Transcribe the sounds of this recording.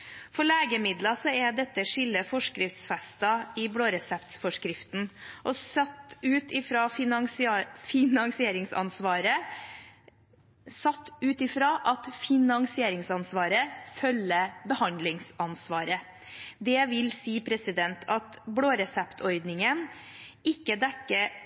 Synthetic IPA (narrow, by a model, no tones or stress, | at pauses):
fɔɭeːɡəmɪd̪lɑsɔɛɖ̪ɛt̪ːəʂɪlːəfɔʂkɾɪft̪sfɛst̪ɑɪbloːɾɛsɛpt̪sfɔʂkɾɪft̪n̩ʔɔsɑt̪ːʉːt̪ɪfɾɑːŋsfɪnɑŋsɪeːɾɪŋsɑ̰nsʋɑːɾə | sɑt̪ːʉːt̪ɪfɾɑːʔɑt̪fɪnɑŋsɪeːɾɪŋsɑnsʋɑːɾəfœlːəbəhɑnd̪lɪŋsɑnsʋɑːɾə | d̪ɛʋɪlsiːpʰɾɛsɪd̪ɛnt̪ʰɑt̪bloːɾɛsɛpt̪ʰɔɾd̪nɪŋənɪkːəd̪ɛkːə